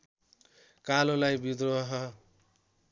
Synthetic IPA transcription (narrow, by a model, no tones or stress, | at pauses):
kalolajbid̪roʌɦʌ